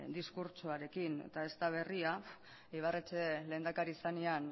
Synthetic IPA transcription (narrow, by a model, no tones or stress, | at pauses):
d̪iskuɾt͡ʃuaɾe̞kinḛt̪ae̞st̪aβ̞e̞ria | eiβaret͡ʃele̞ːnd̪akaɾisanean